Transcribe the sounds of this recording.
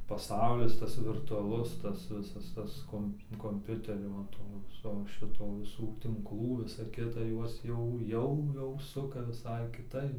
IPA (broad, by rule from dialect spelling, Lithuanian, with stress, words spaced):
pɐˈsɐʊlʲɪs ˈtɐs ʋʲɪrtʊɐˈlˠʊs tɐs ˈʋʲɪsɐs ˈtɐs ˈkoːmp koːmʲˈpʲʊtʲɛrʲoː ʋɐ ˈtoː ˈʋʲɪsoː ˈʃʲɪtoː ʋʲɪˈsuː tʲɪŋkˈlˠuː ˈʋʲɪsɐ ˈkʲɪtɐ ˈjuɔs jɛʊ ˈjɛʊ jɛʊ ˈsʊkɐ ʋʲɪˈsɐɪ kʲɪˈtɐɪp